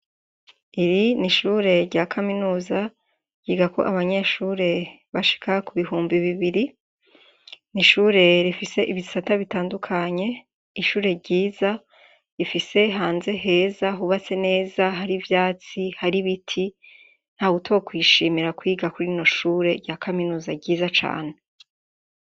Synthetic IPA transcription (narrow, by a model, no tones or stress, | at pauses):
iɾiniʃuːɾe̞ɾɟakʰaminuːza | ɟ̥iːɡako̞̰ʔaβaɲe̞ʃuːɾe̞ | βaʃi̥kʰakuβiɦuːmbiβiβiɾi | niʃuːɾe̞ɾifise̞ʔiβisataβitaːndukʰaɲe̞ | iʃuːɾe̞ɾɟiːza | ifise̞ɦaːnze̞ɦe̞zaɦuβat͡se̞ne̞ːzaɦaɾivjaːt͡sihaɾiβitʰi | n̥haːɡutʰokwiːʃiːmiɾakwiːɡakuɾino̞ʃuːɾe̞ɾɟakʰaminuːzaɟiːzat͡ʃa̰ːn̞e